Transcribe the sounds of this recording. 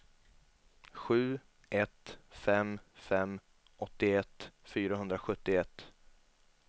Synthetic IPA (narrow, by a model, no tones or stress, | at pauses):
ɧʉ̟ː | ʔɛt̪fɛmfɛmː | ɔt̪ːɪɛt̪ːfyːɾaɦɵnd̪ɾaɧɵt̪ːɪɛt̪ː